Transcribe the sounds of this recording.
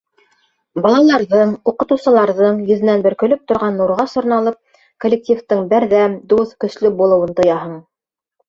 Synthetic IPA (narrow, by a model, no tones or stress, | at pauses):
bɑlˠɑlˠɑɾðɤɴuqɤ̆t̪ɤ̆wsɤ̆lˠɑɾðɤɴjɵ̆ðɘ̆nænbɘ̆ɾkɵ̆lɵp̚t̪ŏɾʁɑnːuɾʁɑʃŏɾnɑlˠɤp̚ | kolʲːek̚tʲift̪ɤɴbæɾðæmd̪uθkɵ̆slɵbulˠɤ̆wɤnt̪ɤ̆jɑɦɤɴ